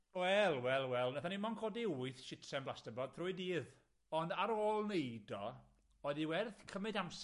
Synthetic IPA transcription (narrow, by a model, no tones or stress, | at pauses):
wɛlˠwɛlˠwɛlˠnaθanimɔnkʰɔdiwʊɨθʃɪtsɛmblˠastəbɔd̚θrʊɨdiːð | ɔndaɾoːlˠnejdɔ | ɔɨðiwɛrθkʰəmɨdams